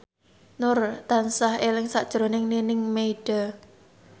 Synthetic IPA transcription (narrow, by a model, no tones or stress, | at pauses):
nʊrt̪ansahelɪŋsaʔd̥ʒ̥ɾo̤nɪŋninɪŋmeiɖ̥a